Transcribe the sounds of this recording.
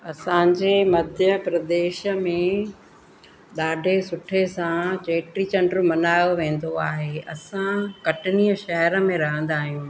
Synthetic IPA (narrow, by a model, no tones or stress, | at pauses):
ɐsãːɲd͡ʑeːmɐd̪ʱjəpɾɐd̪eːʃə̆mẽ | ɗaːɖʱesʊʈʰesãt͡ɕeːʈɾit͡ɕɐ̃ɳɖɾmɐnaːjoʋẽːn̆d̪oaːɦeɐsãkɐʈɪniːəʃɐɦɾə̆mẽɾɐɦə̃nd̪aːɦijũː